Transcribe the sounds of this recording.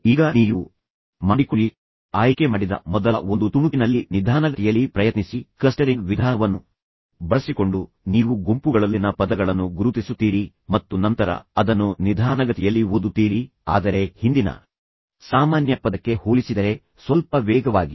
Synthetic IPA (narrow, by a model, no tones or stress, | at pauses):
iːɡɐniːʋu | maɽikuɭi | aːjkemaːɽid̪ɐ̰mɔd̪ɐlɐond̪ut̪umukinɐlːinid̪ʱaːnɐɡɐt̪ʰɛjɐlːipɾɐjɐt̪nisiklɐsʈɐɾiŋɡʋid̪ʱaːnɐʋɐnːu | bɐɭɐsiko̞ɳɖu | niːʋuɡompuɡɐɭɐlːinɐpɐd̪ɐɡɐɭɐnːuɡuɾut̪isut̪ːiːɾi | mɐt̪ːunɐnt̪ɐɾɐ̰ɐd̪ɐnːunid̪ʱaːnɐɡɐt̪ɛjɐlːiʋod̪ut̪ːiːɾi | a̰ːd̪ɐɾe̞hind̪inɐ̰ | saːmaːnjɐpɐd̪ɐkːe̞hoːɭisid̪ɐɾe̞ | sʋɐlpɐʋɛːɡɐʋaːɡi